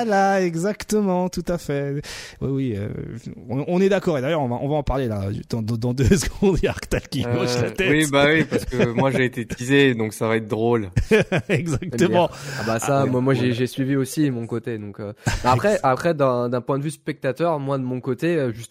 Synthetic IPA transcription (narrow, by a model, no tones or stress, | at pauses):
laɛɡzakt̪əmɑ̃t̪ut̪afɛwiwiø̰ɔ̃ɔ̃nɛd̪akɔʁed̪ajœʁɔ̃vaʔɔ̰̃vaɑ̃paʁlela̰d̪ɑ̃d̪d̪ɑ̃d̪øsəɡɔ̃d̪jaʁkt̪alkʲiɔa̰t̪ɛibawipaʁsə̥kəmwaʒeːt̪et̪ized̪ɔ̃ksavaɛt̪̚d̪ʁol | ɛɡzak̚t̪əmɑ̃abasamwamwaʒeʒesɥiviosimɔ̃kot̪ed̪ɔ̃købaaχɛʔapχɛd̪ɛ̃d̪ɛ̃pwɛ̃d̪əvyspɛk̚t̪at̪œʁmwad̪əmɔ̃kot̪eøʒyst̪